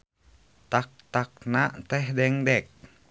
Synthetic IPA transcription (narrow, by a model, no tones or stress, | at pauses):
t̪ak̚t̪ak̚nat̪ɛɦdɛŋdɛk̚